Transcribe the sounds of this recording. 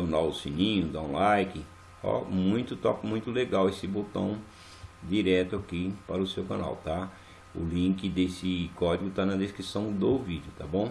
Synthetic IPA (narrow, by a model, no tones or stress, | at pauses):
ʊ̃nawʊsĩnĩɲʊd̪aũlajkɪ | ɔ̰mũj̃t̪ʊt̪ɔpɪmũj̃t̪ʊleɡawesɪbot̪ɐ̰̃w̃ | d͡ʒ̪iɾɛt̪ʊakipaɾʊsewkɐ̰̃na̰wt̪a | ʊ̰lĩkɪd̪esɪkɔd͡ʒiɡʊt̪anɐd̪eskɾisɐ̃w̃d̪ovid͡ʒʊt̪abõw̃